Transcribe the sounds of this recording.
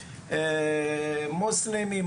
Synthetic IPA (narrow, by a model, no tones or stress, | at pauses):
mʊslimim